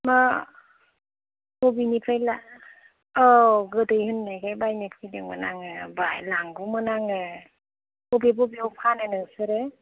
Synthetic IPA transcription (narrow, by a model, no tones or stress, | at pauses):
ma | hobinipʰajlaː | ɡɯdɯjhɯnːajɡajbajnet̚kʰidɯmɯ̰naŋɯbajlaŋɡumɯnaŋɯ | obibobiopʰanɯnɯŋsɯɾɯ